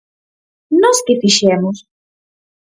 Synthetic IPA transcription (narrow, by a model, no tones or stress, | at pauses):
nɔskɪfiʃɛmʊs